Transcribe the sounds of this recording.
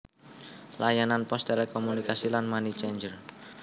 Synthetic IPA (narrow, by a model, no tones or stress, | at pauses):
lajananpɔst̪elɛkɔmunikasilanmanit͡ʃeɲd͡ʒər